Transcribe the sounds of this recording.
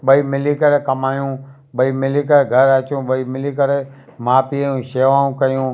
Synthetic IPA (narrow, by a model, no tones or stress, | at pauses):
ɓəiːmɪliːkəɾeːkəmaːjũː | ɓəiːmɪliːkəɾeːɡʱəɾət͡ʃũːɓəiːmɪliːkəɾeː | mãːpĩũːʃeːʋaːũːkəjũː